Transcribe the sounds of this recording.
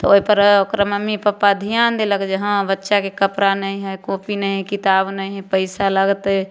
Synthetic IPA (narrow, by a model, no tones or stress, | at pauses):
t̪ooipəɾkɾəməmipəpːad̪ʱijaːnd̪eləɡd͡ʒəɦãbətːʃakekəpɾanəɦĩɦɛkoːpinəɦĩɦkɪt̪aːbnəɦĩɦɛpəɪsaləɡt̪